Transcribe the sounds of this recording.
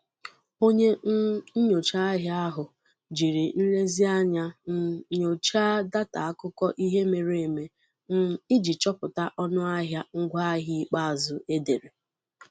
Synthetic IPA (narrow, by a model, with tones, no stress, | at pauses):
o˦ɲe˦ɲo˨t͡ʃa˦a˦ɦja˦a˦ɦʊ˨ | d͡ʒi˨ɾi˨n̩˦le˦zi˦a˦ɲa˦n̩˦˨ɲo˨t͡ʃa˦da˦ta˨a˦kʊ˦kɔ˦ʔi˦ɦe˦me˨ɾe˨e˨me˨ | n̩˦i˦d͡ʒi˨t͡ʃɔ˦pʊ˨ta˦ʔɔ˦nʊ˦a˦ɦja˦ŋ̩˦ɡʷa˦a˦ɦi˦k͡pa˦a˨zʊ˨e˦de˨ɾe˨